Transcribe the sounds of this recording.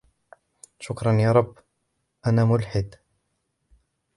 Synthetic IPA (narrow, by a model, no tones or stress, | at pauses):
ʃʊkɾˤɑnjaːɾˤɑbː | ʔanaːmʊlħɪd̪